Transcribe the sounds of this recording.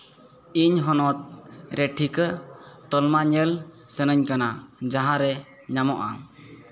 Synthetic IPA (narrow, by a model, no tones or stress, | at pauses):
iɲɦɔnɔt̪̚ɾɛʈʰikət̪ɔlmaɲəlsənəɲkanad͡ʒaɦãɾɛ | ɲamɔʔa̰